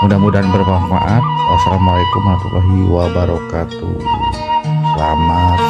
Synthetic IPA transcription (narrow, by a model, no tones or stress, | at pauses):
mudamudanbərmafa̰ʔat̪̚wasalamalakumat̪ulʔaɦiwabaɾokat̪ṵ | lama